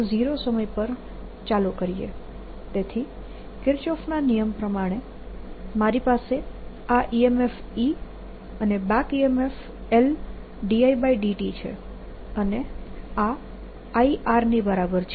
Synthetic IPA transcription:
d͡ʒiɾosəməjpəɾ | t͡ʃalukəɾijḛ | t̪et̪ʰi | kɪɾt͡ʃɔfnanijəmpɾəmaɽ̃e | maɾipase | aʔiemef | i | ənebãkiemef | el | ɖiaibaiɖiʈit͡ʃʰḛ | ənea | aiʔaɾnibəɾabəɾt͡ʃʰ

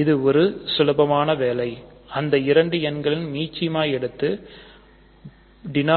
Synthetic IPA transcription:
ɪðɯɔɾɯsʊlɐbɐmaːnɐʋeːlɐɪ | ɐnd̪ɐɪɾɐɳɖɯɛnɡɐɭɪnmiːt͡ʃːɪjmaːjɛɽɯt̪ːɯ | ɖɪna

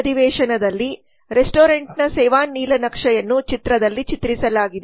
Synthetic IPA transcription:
d̪iʋɛːʂɐnɐd̪ɐlːi | ɾesʈoːɾeɳʈnɐsɛːʋaːnːiːlɐnɐkʂɐjɐnːut͡ʃit̪ɾɐd̪ɐlːit͡ʃit̪ɾisɐlaːɡid̪e

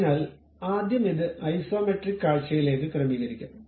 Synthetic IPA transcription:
naːl | aːd̪jɐmiðɨʔɐjsoːmeʈrikːaːɻt͡ɕːɐjile̞ːk̬ːɨkrɐmiɣɐɾikʲːum

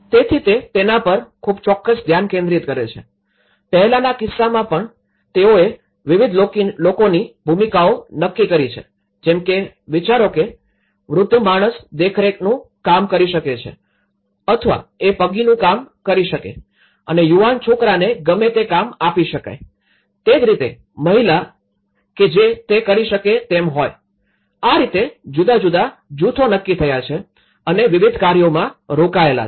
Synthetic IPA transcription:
t̪et̪ʰit̪et̪enapəɾkʰub̚t͡ʃɔkːəsd̪ʱjankẽnd̪ɾit̪kəɾet͡ʃʰḛ | pəɦɛlanakɪsːamãpəɳ | t̪eoe | ʋɪʋid̪ʱolokonibʱumikaonəkːikəɾit͡ʃʰḛ | d͡ʒemke | ʋit͡ʃaɾoke | ʋɾʊd̪ʱjəmaɽ̃əsd̪ekʰɾeknũ | kamkəɾiʃəket͡ʃʰḛ | ət̪ʰʋa̰epəɡinũkamkəɾiʃəkḛ | ə̰nejuʋant͡ʃʰokɾaneɡəmet̪ekamapiʃəka̰j | t̪ed͡ʒɾit̪e | məɦila | ked͡ʒet̪ekəɾiʃəket̪emɦoj | aɾit̪ed͡ʒud̪ad͡ʒud̪ad͡ʒut̪ʰonəkːit̪ʰəjat͡ʃʰe | əneʋɪʋid̪ʱkaɾjomãɾokaela̰

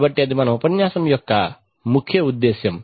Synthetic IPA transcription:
bɐʈːiɐd̪ʱimɐnɐmupɐnjaːsɐmjɔkːɐ | mukʰːjɐud̪ːeːsjɐm

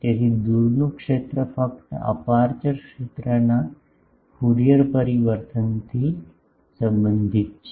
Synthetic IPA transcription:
t̪eɦid̪uɾnukʂet̪ɾəfəkt̪əa̰paɾt͡ʃəɾkʂet̪ɾəna | huɾijəɾpəɾiʋəɾt̪ʰənt̪ʰi | sə̃mbənd̪ʱit̪t͡ʃʰe

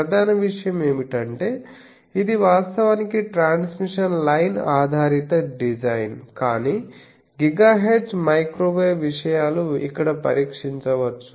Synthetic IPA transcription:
ɐd̪ʱaːnɐʋiʂɐjɐmeːmiʈɐɳʈeː | id̪iʋaːst̪ɐʋaːnikiʈɾaːnsmiʂɐnlɐjnaːd̪ʱaːɾit̪ɐɖid͡ʒɐjnkaːniː | ɡiɡaːɦeːɖd͡ʒmɐjkɾoːʋeːʋiʂɐjaːluḭkːɐɽɐpɐ̰ɾiːkʂiɲt͡ʃɐʋɐt͡ʃːu̥

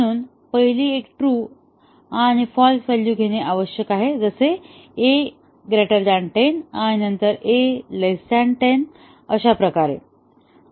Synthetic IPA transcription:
uːn | pəɦiliːekʈɾuː | aɽ̃ifɔlɡseljuːɡʱeɽ̃eʔaʋəɕjəkaɦed͡zəseː | ɡɾeʈəɾd̪aɳʈenaɽ̃inənt̪əɾeləsaɳʈen | əɕapɾəkaɾḛ

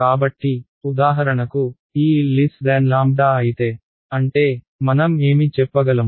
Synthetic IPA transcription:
kaːbɐʈːi | ud̪aːɦɐɾɐɳɐku | iːlisɖaːnlaːm̚ɖaːɐjit̪e̞ː | ɐɳʈe̞ː | mɐnɐmeːmit͡ʃɛpːɐɡɐlɐm

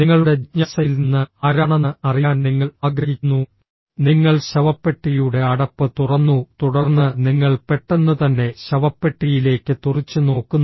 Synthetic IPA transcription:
niŋːɐɭuɽe̞ɲɐsɐilninːɨɐɾɐɳɐnɨɐrijaːnniŋːɐɭaːɡɾɐɦikʲːunːu | niŋːɐɭɕɐʋɐpːe̞ʈːijuɽe̞ɐɽɐpːɨt̪urɐnːut̪uɽɐrnːɨniŋːɐɭpe̞ʈːenːɨt̪ɐnːe̞ɕɐʋɐpːe̞ʈːijile̞ːkːɨt̪urit͡ɕːɨno̞ːkːunː

